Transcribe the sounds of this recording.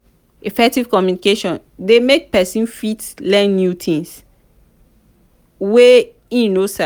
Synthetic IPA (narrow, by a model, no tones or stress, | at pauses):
ifɛk̚tiv̥kɔmjunikeʃɔ̃n | demek̚pɛsĩnfitlɛ̃nːjutʰĩŋs | we | ĩnosa